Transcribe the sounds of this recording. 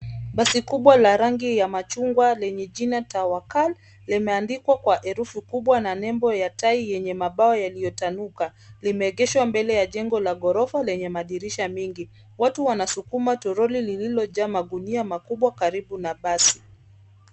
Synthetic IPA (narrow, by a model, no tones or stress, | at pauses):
ɓasikuɓwalaɾaŋɡijamat͡ʃuŋɡwalɛɲɛʄinatawakalː | imɛandikwakwaʔɛɾufukuɓwananɛmbɔjataijɛɲɛmaɓaɔjalijɔtanukalimɛːɠɛʃwambɛlɛjaʄɛŋɡɔlaɠɔɾɔfalɛɲɛmaɗiɾiʃamiŋɡi | watuwanasukumatɔɾɔlilililɔʄaːmaɡuniamakuɓwakaɾiɓunaɓasi̥